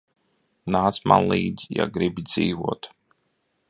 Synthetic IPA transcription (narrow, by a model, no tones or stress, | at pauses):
naːsma̰nlˠiːd̪ʲja̰ɡɾibʲd̪ziːvuɔt̪